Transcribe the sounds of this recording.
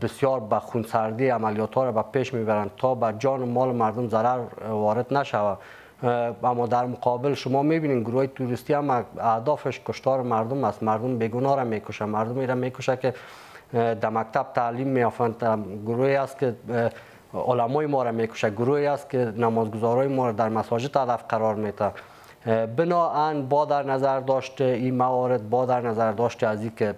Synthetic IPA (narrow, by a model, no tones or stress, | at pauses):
bɪsjɔɾbaxunsaɾd̪iamaljɔt̪ʰɔɾabapeʃmebaɾant̪ʰɔbad͡ʒɔnɪmɔlɪmaɾd̪ʊmzaɾaɾwɔɾɪd̪naʃawa | amːɔd̪aɾmʊqʰɔbɪlʃʊmɔmebinenɡʊɾuhɔjet̪uɾɪst̪iamaahd̪ɔfɪʃkʊʃt̪ɔɾɪmaɾd̪ʊmast̪maɾd̪ʊmbeɡʊnɔɾamekʊʃamaɾd̪ʊmiɾamekʊʃakɪ | d̪amak̚t̪ʰab̚t̪ʰalimːejɔft̪ant̪aɡʊɾoeast̪̚kɪ | ʊ̰lamɔjmɔɾamekʊ̥ʃaɡʊɾoeast̪̚kɪnamɔzɡʊzɔɾɔjɪmɔɾad̪aɾmasɔd͡ʒɪt̪had̪afqaɾɔɾmet̪a | bɪnɔanbɔd̪aɾnazaɾd̪ɔʃt̪ɪimawɔɾɪd̪̚bɔd̪aɾnazaɾd̪ɔʃt̪eazikɪ